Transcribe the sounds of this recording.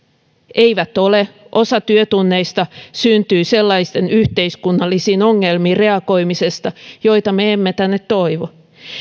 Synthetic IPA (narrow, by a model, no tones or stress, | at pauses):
eiʋæt̪ole | ʔosɑt̪yøt̪unːeist̪ɑsynt̪yːselːɑist̪enyht̪eiskunːɑlːisiːnoŋːelmiːre̞ɑko̞imisest̪ɑjoit̪ɑmeemːet̪ænːet̪toiʋo